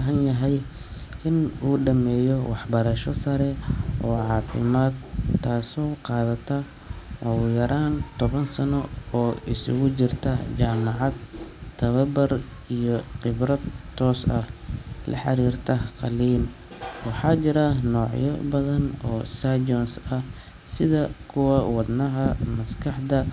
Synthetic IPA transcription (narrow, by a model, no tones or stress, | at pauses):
ɦɐnjɐɦɛj | ʔɪnuːɖɐmɛːjɔwɑħbɐɾɐʃɔsɐɾɛʔɔːʕɑːfɪ̰maːd̪ʰaːsɔːqɑːðɐt̪ʰɐ | ɔjɐɾʔaːnt̪ʰɔβɐnsɐnɔɔːʔɪsʊ̰ɣʊt͡ʃɪrt̪ʰɐt͡ʃaːmɑʕɑd̪̚t̪ʰɐβɐbɐr | ijɔqɪbɾɐd̪t̪ʰːɔːsɐhlɐ̰ħɑɾiːrt̪ʰɐqɑliːm | wɑħɑːt͡ʃɪɾɐnɔːʕjɔ̰bɐðɐnɔːsad͡ʒɔnsɐh | sɪðɐkʰʊwɐwɑd̪nɐɦɐmɐskʰɑħd̪ɐ